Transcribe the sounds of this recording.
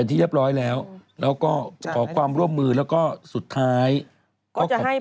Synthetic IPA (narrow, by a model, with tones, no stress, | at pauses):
nt̪ʰiː˥˩ɯ˦˥˩p̚ɾɔː˦˥jlɛː˦˥wlɛː˦˥wkɔː˥˩kʰɔː˩˦kʰwaː˧mɾu˥˩əmːɯː˧lɛː˦˥wkɔː˥˩su˨˩t̪ʰːaː˦˥j | kːɔː˥˩˨